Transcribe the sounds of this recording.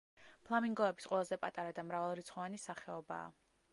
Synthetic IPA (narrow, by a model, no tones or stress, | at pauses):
pʰlˠamiŋɡɔɛbi̥sqʼwɛlˠazɛpʼat̪ʼaɾad̪amɾavalˠɾit̪sʰχɔvanisaχɛɔba̰ː